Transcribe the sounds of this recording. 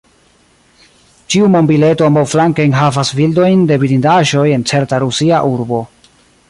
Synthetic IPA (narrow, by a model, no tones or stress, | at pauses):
t͡ʃiumombiletoambawflaŋkajnɦavasvildo̞jnde̞biɾindaʒo̞je̞nt͡se̞ɾtaɾusiaʔuɾbo̞